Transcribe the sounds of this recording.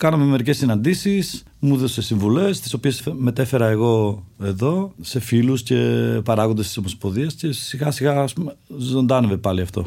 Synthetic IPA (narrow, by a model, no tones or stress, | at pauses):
kɐnomeme̞ɾice̞sːinɐnd̪isis | muðose̞siɱvule̞st̪i̥so̞pie̞sme̞t̪e̞fe̞ɾɐeɣo̞e̞ðo̞se̞filusce̞pɐɾɐɣond̪est̪isomo̞spo̞ðiɐsce̞siɣɐsiɣɐːspumezo̞nd̪ɐnevepɐliɐft̪o̞̰